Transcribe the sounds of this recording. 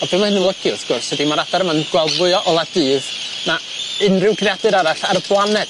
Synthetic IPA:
ɔbiːmahɪnənlˠəɡ̥jʊðɡ̥ʊrshɛdimaɾadaɾəmanɡwɛlˠdvʊɨɔʔɔlˠadɨːð | na | ɪnrɪwɡrjadɨɾaɾaɬaɾəblˠanɛd̥

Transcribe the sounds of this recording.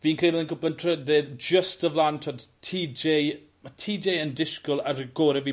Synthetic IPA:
viːnkʰremɛðənkʰʊpəntʰrədɛd͡ʒəstəvlantʰodtʰiːd͡ʒej | matʰiːd͡ʒejəndɪʃkɔlˠarɡ̥oɾɛviː

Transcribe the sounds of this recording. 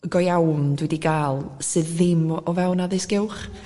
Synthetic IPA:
ɡɔjawndwɛdiɡaːlˠsɨːðɪmɔvɛwnaðɪsɡ̥ɪwχ

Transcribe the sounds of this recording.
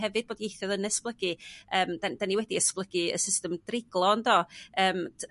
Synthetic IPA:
ɛvɨd̚boːdijejθjɔðənɛsplˠəɡɨəːmdad̥aniwɛdiəsplˠəɡɨə̰sɪstɛmdrɪɡ̥lˠɔndɔːəːmʰ

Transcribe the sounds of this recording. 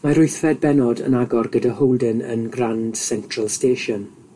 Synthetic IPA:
maɾʊɨθfɛd̚bɛnɔdə̰naɡɔrɡədahowlˠdənə̰nɡrand̥sɛntʰrəlˠsteʃɔn

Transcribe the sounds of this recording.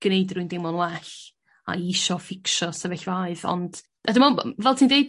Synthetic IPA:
ɡ̥nejdrujndɪmɔnwɛɬ | a̰iʃɔfɪkʃɔsɛvɛɬvaɨðɔ̰nd̥ | adɪmɔ̰vɛlˠtʰindejd

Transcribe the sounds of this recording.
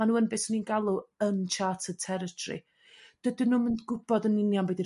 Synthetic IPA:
anuːənbeːsninɡalˠuənt͡ʃʰaːtʰətʰɛɾətʰɔrḭ | d̥ədɪnuːməndɡʊb̥ɔdənɪnjambedi

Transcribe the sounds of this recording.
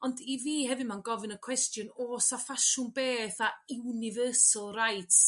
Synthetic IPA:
ɔndiviːɦɛvɨmanɡɔvɨnəkʰw̥ɛstjʊnoːsafaʃʊnbeːθaɪwnɪvəːsalˠrajtʰ

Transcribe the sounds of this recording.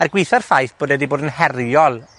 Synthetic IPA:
arɡwɪjθarfajθb̥oːdɛdiboːdənhɛrjɔlˠ

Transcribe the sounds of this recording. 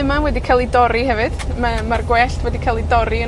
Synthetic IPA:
ɨmawɛdikʰalˠidɔɾiɦɛvɨd̥mamarɡwɛɬtʰwɛdikʰalˠidɔɾiə

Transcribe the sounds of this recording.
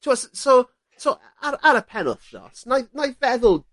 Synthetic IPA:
tʰuasso | soʔ | aɾaɾəpʰɛnə̰lˠθd͡ʒɔ̰snajnajvɛðəlˠ

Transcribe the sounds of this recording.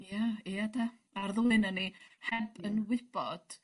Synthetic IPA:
jaiatʰa | arðʊlˠɨnənihɛbənwɪb̥ɔd̥

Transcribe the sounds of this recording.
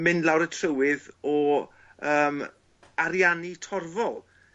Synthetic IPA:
mɪnlˠawɾətʰrəwɪðɔ | əːm | aɾjanitʰɔrvɔlˠ

